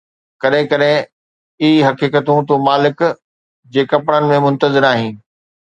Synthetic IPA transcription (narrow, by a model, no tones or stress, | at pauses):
kɐɗɦɪ̃kɐɗɦɪ̃ | iiɦɐkiːkət̪ũt̪umaːlɪk | d͡ʑeːkɐpɽənɪ̆mẽmʊ̃nt̪əzɪɾaːɦĩː